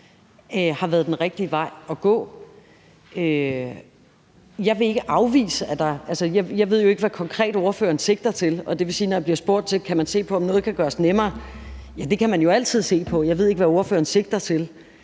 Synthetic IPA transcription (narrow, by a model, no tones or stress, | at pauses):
hɑ̈ʋæːɐð̞ˠd̥enʁɛɡ̥̚d̥iəʋɑ̈ɪ̰ɒ̽ɡ̥ɔ̰̽ː | ø | jɑ̈ɪʋe̝e̝ɡ̥əʔɑ̈ʊʋḭːsəæd̥ɑ̈ʔælsəjɑ̈jɑɪʋe̝ð̰joe̝ɡ̥əʋækʰɒ̽ŋkʰʁɛ̰ːd̥oɐfø̰ːɐnse̝ɡ̥̚d̥ɐt͡sʰe̝lɒ̽d̥e̝ʋe̝siːnɒjɑb̥liɐsb̥o̝ɐ̰d̥̚t͡sʰe̝lkʰæmænse̝̰ːpʰɒ̽ɒ̽mnɔ̽ːð̞̩ˠkʰæɡ̥ɶːɐsnemɐːjæd̥e̝kʰæmænjo̝æl̰t͡sʰið̞̰ˠse̝̰ːpʰɒ̽jɑ̈ɪe̝ð̞̰ˠeɡəʋæo̝ɐfø̰ːɐnse̝ɡ̥̚d̥ɐt͡sʰe̝l